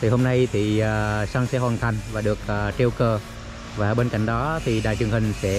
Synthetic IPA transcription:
t̪ʰi˨˩ho˧mna˧jt̪ʰi˨˩aː˨˩sa˧ŋsɛ̰˧˥ɦwaː˨˩nt̪ʰa˨˩jŋ̟vaː˨˩ɗɨ˨˩ək̚ʔəː˨˩t͡ɕe˧wkəː˧˩ | vaː˨˩ɓe˧nka̰˧˥jŋ̟ɗɔ˨˦t̪ʰi˨˩ɗa̰ː˧˨jt͡ɕɨ˨˩əŋhï˨˩ŋ̟sɛ̰˧˥

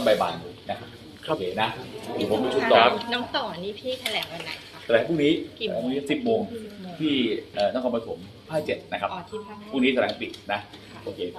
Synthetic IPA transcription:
a˥˩ba˧jbaː˧nduː˨˩na˦˥kʰa˦˥p̚ | o˧˩˧kʰeː˧˩na˦˥d̪iː˨˩pʰo˨˦mduː˧˩t͡ɕ̪ʰu˨˩ɔː˧ɾa˦˥pnɔː˦˥ŋsɔː˨˩niː˦˥pʰiː˥˩t̪ʰa˧lɛː˩˦ŋwa˧˦nːa̰˨˩˦jt̪ʰa˧lɛː˩˦ŋpʰuː˥˩ŋniː˦˥˩lɛː˨˦pʰːni˦˥˩si˨˩p̚moː˧ŋt̪ʰiː˥˩ʔəː˨˩nɔː˥˩kʰɔː˧pa˧t̪ʰo˩˦m | pʰaː˥˩t͡ɕe˨˩t̪̚na˦˥kʰa˦˥pʰuː˥˩ŋniː˦˥t̪ʰɛː˩˦˧t̪ḭ˨˩t̪̚na˦˥ | ʔoː˧kʰeː˧

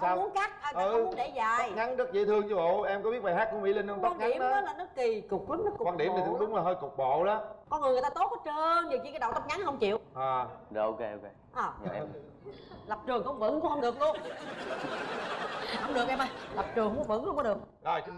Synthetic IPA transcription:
aː˦˧mu˨˦ə˦nka˦˥k̚ʔəː˨˩aɨ˧˦˥nɗe˧˩zaː˨˩jŋa˨˦nzə˦˥t̚zḭ˧˨˦t̪ʰɨ˧əŋɲu˧və̰˧˨wʔɛ˧mkɔ˧˦ɓi˦˥ət̚ɓa˨˩ɦaː˦˥kːmḭ˧˦lə˧nə˧ŋ͡mkwaː˧ŋŋaɗi˧˨ə˧˦ɔ˨˦laː˨˩nɨ˦˥k̚ki˨˩kʊ˨˩k͡p̚ki˨˦˥n̚nɨ˦˥kːwaː˧˩ɗi˨˩ən˨˩ɨ˨˦ɗʊ˨˦ŋ͡mlaː˨˩ɦəː˧jkʊ˨˩k͡p̚ɓo̰˧˨laː˨˦kɔ˧˦ŋɨ˨˩ŋɨ˨˩jt̪aː˧t̪o˨˦˥t̚kɔ˨˦˥t͡ɕəː˧ŋzi˨˩t͡ɕi˧˩kːa˨˦jɗa̰˨wt̪ə˦˥t̚ŋa˨˦nhə˧wŋ͡mt͡ɕḭ˧˨əwʔaː˨˩o˧ke˧o˧ke˧ʔəː˨˩˧ | lə˨˩p̚t͡ɕɨ˨˩əŋhə˧wŋ͡mvə̰˧˥ŋʊ˧˦ŋ͡mhə˧wŋ͡mɗɨ˨˩ək̚lu˧ə˨˩ | ə˧wŋ͡mɗɨ˨˩ək̚ʔɛ˧ma˧jla˨˩p̚t͡ɕɨ˨˩əŋku˨˧˦nvə̰˧˥˦ŋhə˧ŋ͡mkɔ˦˥ɗɨ˨˩ək̚ | zɔ˨˩j

